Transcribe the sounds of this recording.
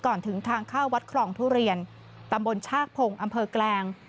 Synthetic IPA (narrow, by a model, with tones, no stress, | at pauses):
kɔː˨˩nt̪ʰɯ˩˦ŋt̪ʰaː˧ŋkʰaː˥˩wa˦˥t̪̚kʰlɔː˧˩ŋpʰuː˥˩ɾi˧ən | t̪a˧mbo˧nt͡ɕʰaː˥˩k̚pʰo˧ŋʔa˧mpʰɤː˧klɛː˧ŋ